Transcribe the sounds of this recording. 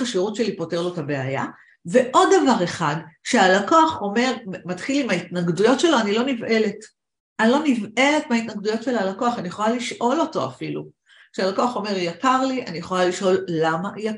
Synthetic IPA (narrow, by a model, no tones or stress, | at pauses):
aʃiʁutʃe̞lipote̞ʁlo̞tabe̞aja̰ | ve̞ʔo̞dːavaʁe̞χadʃealako̞aχo̞me̞ʁmatχilimaitnaɡdujo̞tʃe̞loanilo̞nive̞le̞t | anilo̞nive̞le̞tmeaitnaɡdujo̞tʃe̞lalako̞aχanijeχolaliʃʔo̞lo̞to̞̰a̰filu | kʃealako̞aχo̞me̞ʁjakaʁliʔanijeχo̞laliʃʔo̞lːamaja